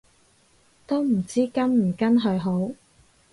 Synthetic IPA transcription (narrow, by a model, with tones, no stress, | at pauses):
t̪o˥wm̩˨˩t͡siː˥kɐ˥nm̩˨˩kɐ˥nɦɵ˧ɥɦo˨˥w